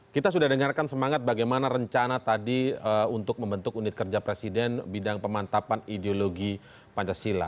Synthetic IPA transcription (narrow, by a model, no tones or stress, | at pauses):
kit̪asudahdəŋarkansəmaŋat̪̚baɡajmanaɾəɲt͡ʃanat̪adiəunt̪ʊk̚məmbənt̪ʊkunɪt̪̚kərd͡ʒapɾesidɛnbidaŋpəmant̪apanideoloɡi | paɲt͡ʃasila̰